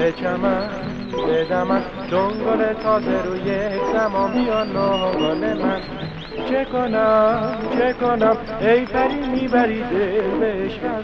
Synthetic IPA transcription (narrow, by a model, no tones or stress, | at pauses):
et͡ʃʰæmæ | b̪ed̪æman | d̪oŋɡolet̪ʰɒːzeɾojekʰt̪æmɔːmijɔnoɦɡɔlemæn | t͡ʃʰekonæmt͡ʃʰekonæm | ejt̪ʰæɾimibæɾid̪elbeʃæ